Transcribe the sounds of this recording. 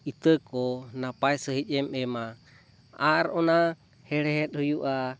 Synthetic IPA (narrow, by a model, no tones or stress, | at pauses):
it̪əkɔnapaɛsəɦit͡ʃɛmɛma | aɾɔna | hɛɺɛɦɛt̪̚hujuʔa